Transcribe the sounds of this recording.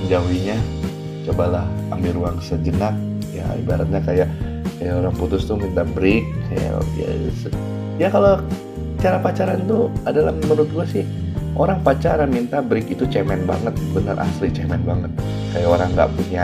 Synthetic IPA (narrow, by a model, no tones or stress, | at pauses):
d͡ʒawiɲa | t͡ʃobalaha̰mbiɾuaŋsəd͡ʒənak̚ | ja̰ḭbaɾat̪̚ɲakajaʔkajaoɾaŋput̪ʊst̪ʊmint̪abɾɪk̚kaja̰ja̰s | jakalo | t͡ʃaɾapat͡ʃaɾant̪uadalamənʊt̪̚ɡuasɪh | ʔoɾaŋpat͡ʃaɾamint̪abɾɪkit̪ut͡ʃɛmɛnba̰ŋət̪̚bənərʔa̰slit͡ʃɛmɛnbaŋət̪̚ | kajaʔoɾaŋɡa̰ʔpuɲa